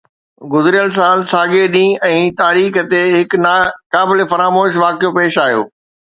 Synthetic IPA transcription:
ɡʊzɪɾijəls̬aːlsaːɠeɗĩːɛ̃ːt̪aːɾiːxt̪eɦɪknaːkaːbɪlefɐɾaːmoːʃʋaːkijopeːʃaːɦijo̰ː

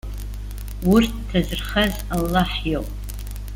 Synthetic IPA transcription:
wʊrtːʰazɨrχaz | alːaħjowpʼ

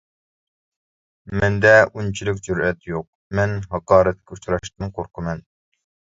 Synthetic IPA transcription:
mɛnd̪ɛunt͡ʃʰilykʲd͡ʒyɾɛt̪joq̚mɛnɦɑqɑːɾɛt̪̚kʲɛut͡ʃɾɑʃt̪ɨnqʰoɾqʰəmɛn

